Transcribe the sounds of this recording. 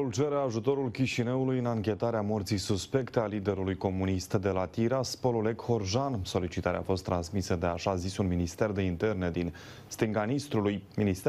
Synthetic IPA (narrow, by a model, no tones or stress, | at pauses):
ult͡ʃe̞ɾeaʒut̪o̞ɾulkʲiʃineulujɨnaŋkʲe̞t̪aɾeamo̞rt̪sisuspe̞kt̪ealid̪e̞ɾulujko̞munist̪d̪e̞lat̪iɾaspo̞lole̞kho̞rʒanso̞lit͡ʃit̪aɾea̰fo̞st̪ːɾansmisəd̪e̞aʃazisunminist̪e̞rd̪e̞int̪e̞rne̞d̪in | st̪ɨŋɡanist̪ɾulujminist̪